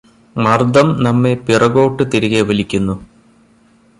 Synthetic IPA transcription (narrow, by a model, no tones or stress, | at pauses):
mɐrd̪ɐmnɐmːepirɐɣo̞ːʈːɨt̪iɾuɣeʋɐlikʲːunːu